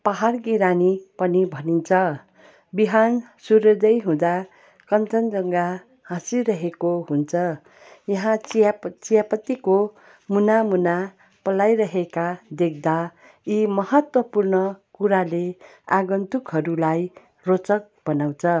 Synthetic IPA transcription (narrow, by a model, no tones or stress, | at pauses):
paɦarɡiɾanipʌnibʱʌnint͡sʰʌ | biɦansuɾʌd̪ʌjɦũd̪a | kʌnt͡sʌnd͡zʌŋɡa | hãsilrʌɦekoɦunt͡sʰʌ | jʌɦãt͡sijapʌt̪iko | munamuna | pʌlajɾʌɦekad̪ek̚d̪a | imʌɦʌt̪wʌpurnʌkuɾaleaɡʌnt̪ukɦʌɾulaj | rot͡sʌk̚b̥ʌnaw̃t͡sʰʌ